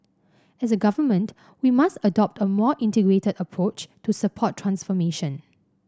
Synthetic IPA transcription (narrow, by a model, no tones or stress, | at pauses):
ɛsəɡavəmə̃nt | wimastədɔp̚təmɔʔĩntəɡɹetədəpʰɹot͡ʃtusəpʰɔtʰːɹãnsfɔmeʃə̃n